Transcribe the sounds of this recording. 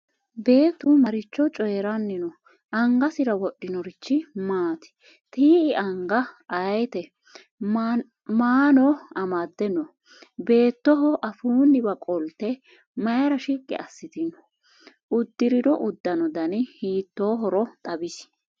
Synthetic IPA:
be̞ːt̪ːʊmɐɾɪt͡ʃːɔt͡ʃʼɔjɛɾɐnːɪnɔ | ʔɐŋɡɐsɪɾɐwɔɗːɪnɔɾɪt͡ʃːɪmaːt̪ɪ̥ | t̪iːɪʔɐŋɡɐʔɐjt̪ɛ | maːnɔɐmad̪ːɛnːɔ | be̞ːt̪ːɔɦɔʔɐfuːnːɪbɐkʼɔlt̪ːɛ | mɐjɐɾɐʃikʼːɛ̰ɐsːɪt̪ɪnɔ | ʊd̪ːɪɾɪd̪ɔʔʊd̪ːɐnɔd̪ɐnɪhiːt̪ːoːɦɔɾɔt̪ʼɐbɪs

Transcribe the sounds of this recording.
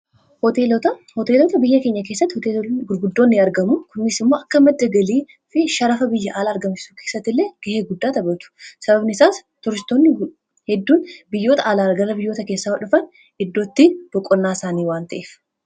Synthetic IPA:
hɔt̪et̪ɐhɔt̪eːloːt̪ɐbɪjːɐke̞ːɲːɐke̞ːsːɐt̪ːhɔt̪eːɡʊɾɡʊd̪ːo̞ːnːɪɐɾɡɐmʊkʊnːɪsɪmːo̞ːʔɐkːɐmɐd̪ːɐɡɐliː | fɪʃɐɾɐfɐbɪjːɐʔaːlaːɾɡɐmt͡ʃɪ̥suːke̞ːsːɐt̪ːɪlːe̞ːɡ̥ɐheːɡʊd̪ːaːt̪ɐbɐt̪ʊ̥sɐbɐbnɪɪsaːst̪ɔɾɪst̪oːnːɪ | hɛd̪ːuːnbɪjːo̞ːt̪ɐʔaːlaːɾɐɡɐrːɐbɪjːo̞ːt̪ɐke̞ːsːawɐᶑʊfɐn | ʔɪd̪ːo̞ːt̪ːiːb̥ɔkʼːɔnːaːɪsaːniːwaːnt̪ɐʔeːf

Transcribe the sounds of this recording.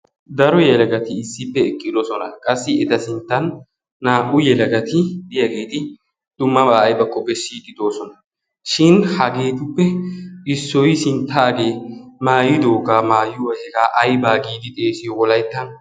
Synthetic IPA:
d̪ɐɾɔjɛlɐɡɐt̪ɪːsːɪpːɛɛkʼːɪd̪ɔsɔnɐ̰kʼɐsːɪɛt̪ɐsɪnt̪ːɐnː | aːʔʊjɛlɐɡɐt̪ɪd̪ɪjɐɡe̞ːt̪ɪ | d̪̥ʊmːɐbaːɐjbɐkːɔbɛʃiːt̪ɪd̪o̞ːsɔnɐ | ʃɪnhɐɡe̞ːt̪ʊpːɛɪsːɔjsɪnt̪ːaːɡe̞ːmaːjɪd̪o̞ːɡaːmaːjʊwɐhɛɡaːʔɐjbaːɡiːd̪ɪt̪ʼe̞ːsɪjɔwɔlɐjt̪ːɐn

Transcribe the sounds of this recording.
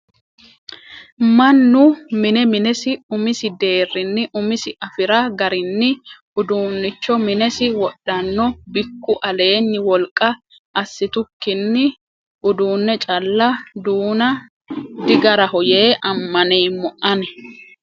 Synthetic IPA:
mɐnːʊmɪnɛmɪnɛsɪʊmɪsɪd̪e̞ːrːɪnːɪʔʊmɪsɪʔɐfɪɾɐɡɐɾɪnːɪʔʊd̪uːnːɪt͡ʃːɔmɪnɛsɪwɔɗːɐnːɔbɪkːʊʔɐle̞ːnːɪwɔlkʼːɐ | ʔɐsːɪt̪ʊkːɪnːɪ | ʔʊd̪uːnːɛt͡ʃʼɐlːɐd̪uːnɐ | d̪ɪɡɐɾɐhɔje̞ːʔɐmːɐnejmɔʔɐnɛ

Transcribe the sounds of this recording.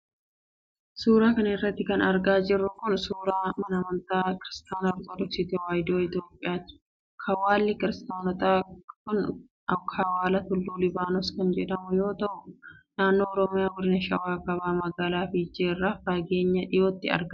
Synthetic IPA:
suːɾaːkɐnɪrːɐt̪ːɪkɐnɐɾɡaːd͡ʒɪrːʊkʊnsuːɾaːmɐnɐmɐnt̪aːkɪɾɪst̪aːnɐɾt̪ʼɔd̪ɔksɪt̪ewaːjd̪oːɪt̪jo̞ːpʼːɪjḁː | kʰɐwaːlːɪkɪɾɪst̪aːnɔt̪ʼaːkʊn | ɐkʰɐwaːlɐt̪ʊlːuːlɪbaːnɔskɐnd͡ʒɛᶑɐmʊjo̞ːt̪ɐʔʊnaːnːo̞ːɔɾɔmɪjaːwɔɾɪnɐʃɐwaːkɐβaːmɐɡaːlaːfɪd͡ʒeːrːafɐɡeːɲːɐᶑɪjoːt̪ːɪɐ̰ɾɡɐ

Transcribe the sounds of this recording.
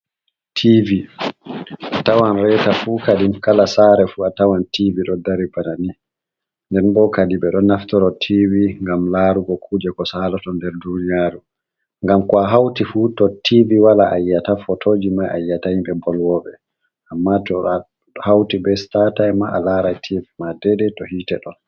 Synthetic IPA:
tʰivi | atawanɾɛtafuːkadimkalasaɾɛfuatawantiviɗɔdaɾibanani | ndɛnɓɔkadiɓɛɗɔnaftɔɾɔtʰiviŋɡamlaːɾuɡɔkʰuːd͡ʒɛkɔsaːlɔtɔndɛɾdunijaːɾu | ŋɡamkɔaɦawtifutɔtʰiviwalaʔajːatafɔtʰoːd͡ʒimajʔa̰jːatajimɓɛbɔlwɔɓɛ | ʔamːatɔ | hawtibɛstatajmaʔalaɾajtʰivimadɛɗɛtɔhiːtɛɗɔn

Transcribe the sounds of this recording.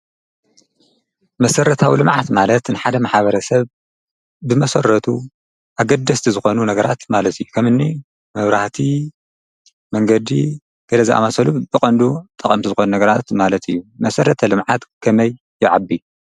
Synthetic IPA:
mɐsɐɾɐt̪ʰawilɨmʕat̪malɐt̪nɨħad̪ɐmaħaβɐɾɐsɐβ | bɨmɐsɐɾːɐt̪ʰu | ʔaɡɐd̪ɐst̪ʰizɨxo̞nunɐɡɐɾat̪malɐt̪ɨjːukʰɐmɨnːi | mɐβɾaht̪ʰi | mɐŋɡɐd̪i | ɡ̥ʰɐlɐziʔa̰masɐlubɨkʼɐnd̪ut̪ʼːɐkʼɐmt̪ʰizɨxo̞nunɐɡɐɾat̪malɐt̪ʰɨjːumɐsɐɾɐt̪ʰɐlɨmʕat̪kʰɐmɐjːɪʕabːi

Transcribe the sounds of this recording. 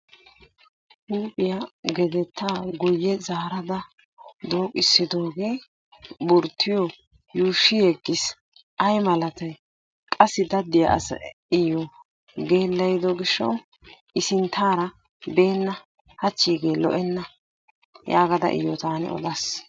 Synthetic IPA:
huːpʼɪjɐɡɛd̪ɛt̪ʰːaːɡʊjːɛzaːɾɐd̪ɐ | d̪oːkʼɪsːɪd̪o̞ːɡe̞ː | bʊɾt̪ʰːɪjɔ | juːʃːɪjɛɡːɪs | ʔɐjmɐlɐt̪ɐj | kʼɐsːɪd̪ɐd̪ːɪjɐ̰ʔɐ̰sɐ̰ | ɪjɔ | ɡe̞ːlːɐjd̪ɔɡɪʃːɔ̰w | ʔɪsɪnt̪ʰːaːɾɐ | be̞ːnːɐ | hɐt͡ʃːiːɡeːlɔ̰ʔɛnːɐ | jaːɡɐd̪ɐ̰ʔɪ̰jɔt̪aːnɛ̰ɔ̰d̪ɐs

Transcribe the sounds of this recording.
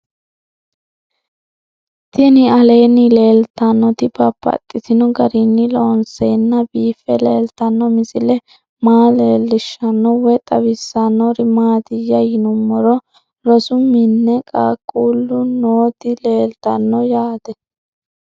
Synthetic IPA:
t̪ɪnɪɐle̞ːnːɪle̞ːlt̪ɐnːɔt̪ɪbɐpːɐ̰t̪ʼːɪt̪ɪnɔɡɐɾinːɪloːnseːnːɐbiːfːɛleːlt̪ɐnːɔmɪsɪlɛ | maːleːlːɪʃːɐnːɔwɛt̪ʼɐbɪsːɐnːɔɾɪmaːt̪ɪjːɐjɪnʊmːɔɾɔ | ɾɔsʊmɪnːɛkʼaːkʼːuːlːʊnoːt̪ɪle̞ːlt̪ɐnːɔjaːt̪ɛ

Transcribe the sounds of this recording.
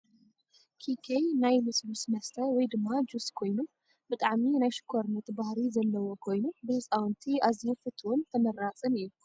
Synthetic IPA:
kʰikʰejnajmɨsʼbusmɐst̪ʰɐwɔjd̪ɨmːad͡ʒuskʰo̞jnu | bɨt̪ʼaʕminajʃɪ̥kʰoɾnut̪bahɾizɐlːɐwo̞kʰo̞jnubɨhɨsʼawnt̪ʰiazijufɨt̪ʰːwont̪ʰɐmɐɾat͡sʼɨnɨjːu

